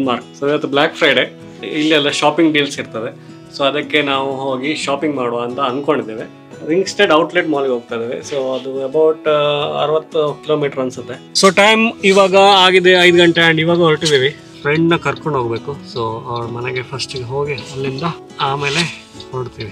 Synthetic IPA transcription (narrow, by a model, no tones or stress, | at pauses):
nmaːɾk̚sd̪eʋɐt̪ːublaːkfʰɾɐjɖeː | ilːiɐlːɐʃaːpiŋɡɖiːlsiɾt̪ɐd̪e̞ | soːɐd̪ɐkːe̞naːʋuɦoːɡiʃaːpiŋɡmaːɽoʋɐnt̪ɐɐnd̪ko̞ɳɖid̪eʋe | ɾiŋksʈeːɖɐwʈliʈmaːliɡɦoːɡ̚t̪ajd̪eːʋesoːɐd̪uɐbɐwʈɐ̰ɾʋɐt̪ːkiloːmiːʈɐɾɐnsɐt̪ːe̞soːʈɐjmiʋaːɡɐaːɡid̪eɐjd̪ɡɐɳʈeɐɳɖiʋaːɡɐoɭʈid̪iːʋi | fʰɾeɳɖnɐkɐɾkoɳɖɦoːɡbe̞ːkusoːɐʋɐɭɐmɐneɡepʰɐsʈiɡɦoːɡiɐlːind̪ɐ | aːmeːle | hoːɖt̪iːʋi